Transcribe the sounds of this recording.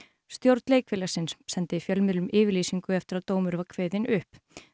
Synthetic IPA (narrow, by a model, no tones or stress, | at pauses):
st̪jowɾt̪nleːjkfɪːlasɪnsːɛnt̪ɪfjœlmɪðlʏmɪːvɪɾliːsiŋkʏɛft̪ɪɾaðt̪oːwmʏɾvakʰveːðɪnʏhp